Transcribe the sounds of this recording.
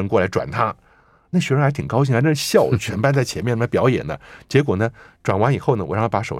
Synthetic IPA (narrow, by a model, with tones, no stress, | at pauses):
ə˧˥ŋkwɔ˥˩la˧˥ɪʈ͡ʂwa̰˨˩nt̪ʰa˥ | na˥˩ɕɥɛ˧˥ɻxt̪ʰi˨˩ŋkɑ˥ʊɕ̬i˥˩ŋxn˥˦ɕjɑ˥˩ʊt͡ɕʰɥɛ˧˥npa˥˧nt͡sa˥˩ɪt͡ɕʰjɛ˧˥nmɛ˥˩n˩˥˩pjɑ˧˥ʊjɛ̰˨˩nd̪ə̰˦t͡ɕjɛ˧˥kwɔ˨˩nə˦ʈ͡ʂwa˨˩nwa˧˥ni˨˩xo˥˩ʊnə˩wɔ˨˩ɻɑ˥˧t̪ʰa˥pa˧˥ʂo˨˩ʊ